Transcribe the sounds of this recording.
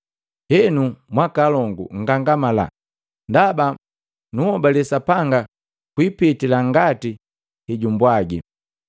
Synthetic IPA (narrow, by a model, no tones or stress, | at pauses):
hɛnumwakalɔŋɡṵŋ̩ɡaŋɡamala̰ | ndaba | nuhɔbalɛsapaŋɡa | kwipitilaŋɡati | hiɟumbwaɡi